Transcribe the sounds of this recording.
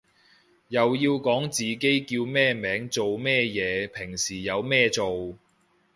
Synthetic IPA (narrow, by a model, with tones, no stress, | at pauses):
jɐ˨wjiː˧wkɔː˨˥ŋt͡siː˨ke˥jkiː˧wmɛː˥˧mɛː˨˥ŋt͡so˨wmɛː˥˧jɛː˨˧pʰɪ˨˩ŋsiː˨˩jɐ˨˧wmɛː˥˧t͡so˨w